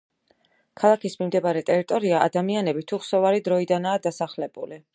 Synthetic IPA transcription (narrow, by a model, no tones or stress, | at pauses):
kʰalˠakʰismimd̪ɛbaɾɛt̪ʼɛɾit̪ʼɔɾiaʔad̪amianɛbit̪ʰuχsɔvaɾid̪ɾɔid̪anaːd̪asaχlɛbṵli